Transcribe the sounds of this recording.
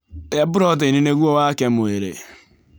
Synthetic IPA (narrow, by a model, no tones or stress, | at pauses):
abʊɾɔtenineɡuowakemoeɾḛ